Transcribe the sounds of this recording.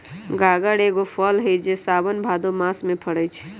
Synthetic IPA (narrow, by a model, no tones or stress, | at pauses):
ɡaɡəɽeɡopʰəlɦəjd͡ʒesabənbʱad̪omasmepʰəɽəjt͡ʃʰ